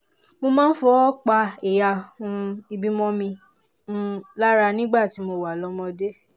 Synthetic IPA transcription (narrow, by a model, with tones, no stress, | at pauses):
mo˧mãː˦n̩˦fɔ˧˦k͡pa˧e˨ja˨ũ˧i˧bi˦mɔ̃˧mĩ˧ | ũ˦la˦ɾa˧nĩ˦ɡ͡ba˦˨ti˨˦mo˧wa˨lɔ˧˦mɔ̃˧de˦